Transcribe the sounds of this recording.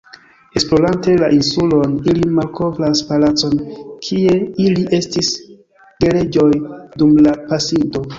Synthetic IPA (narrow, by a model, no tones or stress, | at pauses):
e̞splo̞lante̞laʔinsulo̞nilimalkʰo̞vɾaspalat͡so̞nkʰie̞iliʔe̞stis | ɡ̥e̞le̞d͡ʒo̞jdumlapasindo̞